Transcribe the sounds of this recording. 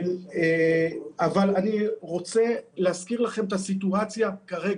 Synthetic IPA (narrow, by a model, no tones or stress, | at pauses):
e | avalaniʁo̞t͡se̞leɦaskiʁlaχe̞met̪asit̪uat͡sjakaʁe̞